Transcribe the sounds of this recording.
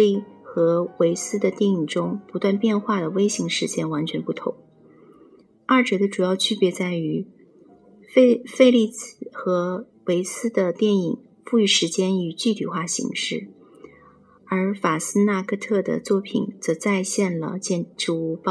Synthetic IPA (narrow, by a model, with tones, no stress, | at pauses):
i˥˩xɤ˧˥we˧˥ɪsɹ̩˥d̪ə˨t̪jɛ˥˩ni˨˩ŋʈ͡ʂʊ˥ŋpu˧˥t̪wa˥˧npjɛ˥˧nxwa˥˩d̪ə˩we˥ɪɕi˧˥ŋʂɻ̩˧˥t͡ɕjɛ˥nwa˧˥nt͡ɕʰɥɛ˧˥npu˥˩t̪ʰʊ̰˧˥ŋ | ɐ˥˩ʈ͡ʂɤ˧˥d̪ə˧ʈ͡ʂu˨˩jɑ˥˧ʊt͡ɕʰy˥˩pjɛ˧˥t͡sa˥˩ɪy˧˥ | fe˥˧fe˥˧ɪli˥˩xɤ˧˥ | we˧˥ɪsɹ̩˥d̪ə˨t̪jɛ˥˩ni˨˩ŋ | fu˥˧y˥˩ʂɻ̩˧˥t͡ɕjɛ˥ny˨˩t͡ɕy˥˩t̪ʰi˨˩xwa˥˩ɕḭ˧˥ŋʂɻ̩˥˩ | ə˞˧˥fa˨˩sɹ̩˥na˥˧kʰɤ˥˧t̪ʰɤ˥˩d̪ə̰˩t͡swɔ˥˩pʰḭ˨˩nt͡sɤ˧˥t͡sa˥˧ɪɕjɛ˥˩nlə̰˩t͡ɕjɛ˥˧nʈ͡ʂɻu˥˧u˥˩pɑ˥˧